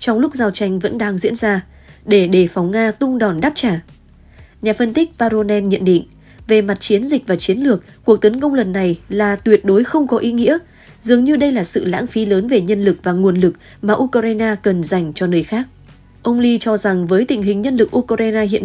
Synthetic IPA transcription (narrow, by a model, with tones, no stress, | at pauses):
t͡ɕɔ˧wŋ͡mlʊ˦˥k͡p̚zaː˧˩wt͡ɕa˧jŋ̟və̰˧˥nɗaː˧ŋzḭ˧˥ənzaː˧ | ɗe˧˩ɗe˧˩fɔ˨˦wŋ͡mŋaː˧t̪ʊ˧ŋ͡mɗɔ˨˩nɗaː˦˥p̚t͡ɕaː˧˩ | ɲaː˨˩fə˧nt̪ï˦˥k̟̚vaː˧ɾo˧nɛ˧nɲə̰˧˨nɗḭ˧˨ŋ̟ | ve˨˩ma˨˩t̚t͡ɕi˨˦ənzï˨˩k̟̚vaː˨˩t͡ɕi˨˦nlɨ˨˩ək̚kːu˨˩ək̚t̪ə˨˦nkə˧wŋ͡mlə˨˩nːa˨˩jlaː˨˩t̪wi˨˩ət̚ɗo˨˦jxə˧wŋ͡mkɔ˨˦ʔi˨˦ŋḭ˧˥ə | zɨ˨˩əŋɲɨ˧ɗə˧jlaː˨˩sɨ̰˧˨la̰ː˧˥ŋfi˨˦ləː˨˦nve˨˩ɲə˧nlɨ˨˩k̚vaː˨˩ŋu˨˩ənlɨ˨˩k̚ | maː˨˩ʔu˧kːza˧jnaː˧kə˨˩nza˨˩jŋ̟t͡ɕɔ˧nəː˧˦jxaː˦˥k̚ | ʔə˧wŋ͡mli˧t͡ɕɔ˧za˨˩ŋvəː˨˦jt̪ï̟˨˩ɦï˨˩ŋ̟ɲə˧nlɨ˨˩k̚ʔu˧kːʔa˧jnaː˧ɦḭ˧˨ən